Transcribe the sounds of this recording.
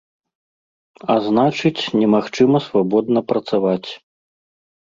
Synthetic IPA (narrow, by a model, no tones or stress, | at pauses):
aznat͡ʂɨt͡sʲnʲɛmaxt͡ʂɨmɐsvabɔd̪̚nɐpɾɐt̪savat͡sʲ